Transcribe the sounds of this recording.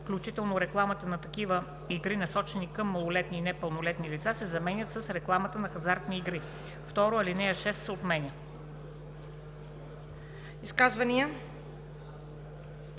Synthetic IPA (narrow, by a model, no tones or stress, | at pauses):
fklʲut͡ʃit̪ɛlˠnoɾɛklˠamət̪ənɐt̪ɐkivə | iɡɾinɐsɔt͡ʃɛnikɐmːɐlˠolɛt̪niːnɛpəlˠnolɛt̪nilit̪sasɛzɐmɛnʲət̪səsɾɛklˠamət̪ənɐxɐzaɾt̪niːɡɾi | ft̪ɔɾoɐlinɛəʃɛst̪ot̪mɛnʲə | iskazvɐniə